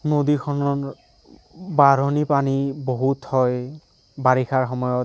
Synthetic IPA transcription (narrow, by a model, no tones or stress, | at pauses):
nodikʰɔnɔ | baɾɔnipaniboɦuthɔj | baɹixʰaɹxɔmɔjɔ